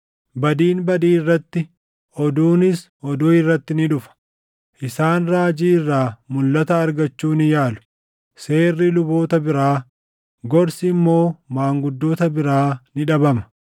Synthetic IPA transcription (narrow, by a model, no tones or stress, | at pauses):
bɐd̪iːnbɐd̪iːrːɐt̪ːɪ | ʔɔd̪uːnɪsʔɔd̪uːɪrːɐt̪ːɪnɪᶑʊfɐ̥ | ʔɪsaːnɾaːd͡ʒiːɪrːaːmʊlːɐt̪ɐːɾɡɐt͡ʃːuːnɪjaːlʊ̥ | se̞ːrːɪlʊboːt̪ɐbɪɾaː | ɡɔɾsɪmːo̞ːmaːŋɡʊd̪ːoːt̪ɐbɪɾaːnɪᶑɐbɐmɐ̥